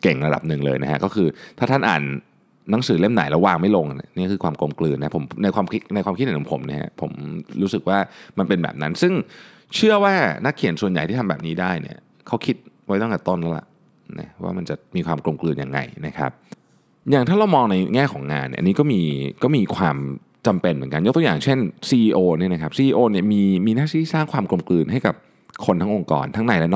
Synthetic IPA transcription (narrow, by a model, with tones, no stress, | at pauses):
ke˨˩ŋɾa˧da̰˨˩p̚nɯ˨˩ŋlɤː˧jna̰˦kʰa̰˦˥kɔː˥˩kʰɯː˧t̪ʰaː˥˩a˥˩nʔa̰ː˨˩nː | a˨˦ŋsɯː˩˦le˥˩mnaː˨˩˦jlɛ˦˥waː˧ŋma˥˩jlo˧ŋ˨nḭ˥˩ni˥˩kʰɯː˧kʰwaː˧mklo˧mklɯː˧nːa˦˥pʰo˩˦mna˧jkʰwaː˧mkʰt̪na˧jkʰwaː˧mkʰt̪̚ʔu˩˦pʰo˩˦mnḭ˥ha̰˦˥pʰo˩˦mɾuː˦˥sɯ˨˩k̚waː˥˩ma˧npe˧nbɛ̰˨˩p̚na˦˥nsɯ˥˩ŋ | t͡ɕʰɯ˥˩ɐwaː˥˩na˦˥kʰːi˨˩˦nsu˨˩ənja˨˩j̪ʰiː˥˩tʰa˧bɛː˨˩p̚niː˦˥daː˥˩jnḭ˧˩ɐ | kʰa˦˥wkʰi˦˥t̪̚wa˦˥˩t̪ɔ˥˩ŋka˨˩t̪o˥˩nlɛ˦˥wla̰˨˩ʔ | na̰˦˥wa̰ː˥˩ma˧nt͡ɕa˨˩miː˧kʰwaː˧mklo˧mklɯː˧nja̰˧˩ŋːa̰˧jna˦˥kʰa̰˦˥p̚ | jaː˨˩ŋt̪ʰaː˥˩ɾa˧wmɔː˧ŋna˧jŋɛː˥˩kʰɔː˩˦ŋːa̰ː˧nḭ˨˩ʔniː˦kɔː˥˩miː˧kɔː˥˩miː˧kʰwaː˧m | t͡ɕa˧mpe˧nmɯ˩˦ka˧njo˦˥t̪u˧jaː˨˩ŋt͡ɕʰe˥˩nsiː˧ʔːʔoː˧ni˥˩na˦˥kʰa˦˥psiː˧ʔiː˧ʔoː˧ni˥˩ɐmiː˧miː˧naː˥˩sʰiː˥˩˦saː˥˩ŋkʰwaː˧mklo˧mklɯː˧nɦa˥˩jka˨˩p̚ | kʰo˧nt̪ʰa˦˥ŋʔo˧ŋkɔ̰ː˧nt̪ʰa˦˥ŋna˧jlɛ˦˥n˥